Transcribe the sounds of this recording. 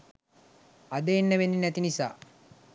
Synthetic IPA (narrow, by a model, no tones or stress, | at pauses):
ad̪əenːəʋenːinæt̪inisa̰ː